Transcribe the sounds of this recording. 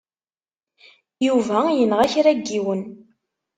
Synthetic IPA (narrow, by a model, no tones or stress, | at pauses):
juvæjənʁæçɾæɡːiwən